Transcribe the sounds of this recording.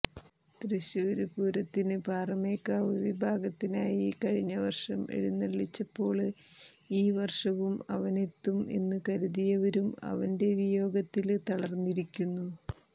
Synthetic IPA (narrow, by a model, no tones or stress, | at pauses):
t̪reɕuʋɐɾupuːɾɐt̪ːinɨbʱaːrɐme̞ːkːaːʋɨʋibʱaːɡɐt̪ːinaːjikɐɻiɲːɐʋɐrʂɐmḛɻunːɐɭːit͡ɕːɐpːo̞ːɭ | iːʋɐrʂɐʋumɐ̰ʋɐne̞t̪ːume̞̰nːɨkɐɾuðijɐʋɐɾumɐ̰ʋɐnde̞ʋijo̞ːɡɐt̪ːilt̪ɐɭɐrnːiɾikʲːunːu